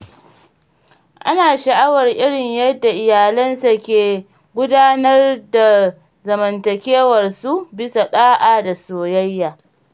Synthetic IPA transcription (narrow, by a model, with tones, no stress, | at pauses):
ʔa˦naː˨ʃɐ˨ʔa˦wɐ˨rʔɪ˦ɽɪ˨ɲjɐ˦dːa˨ʔɪ˨jaː˨lɐ˦nsa˨kʲeː˨ | ɡʷʊ˦daː˦nɐ˦rda˨ | zɐ˨mɐ˨ntɐ˨kʲeː˦wɐ˨rsu˦bɪ˦sa˨ɗaː˦ʔaː˨da˨soː˨jɐ˦jːaː˨